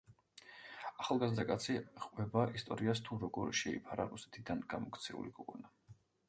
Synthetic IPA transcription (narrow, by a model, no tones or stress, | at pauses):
aχalˠɡazd̪akʼat̪sʰiʁʼwvɛbaʔist̪ʼɔɾiast̪ʰuɾɔɡɔɾʃɛḭpʰaɾaɾusɛ̥t̪ʰid̪anɡ̥amɔkʰt̪sʰɛṵlikʰɔkʼɔna